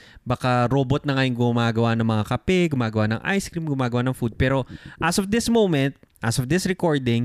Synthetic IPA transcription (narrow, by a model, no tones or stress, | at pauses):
bakaɾoːbot̪̚nɐŋɐjoŋɡʊmaːɡɐwanɐŋmɐŋakɐpɛɡʊmaːɡɐwanɐ̰ŋʔa̰jskɾimɡʊmaːɡɐwanɐŋfud̪̚pɛːɾo̞ʔɐsɔfd̪ɪsmowmɛnt̪̚ | ʔɐsɔvd̪ɪsɾɛkoɹd̪ɪŋ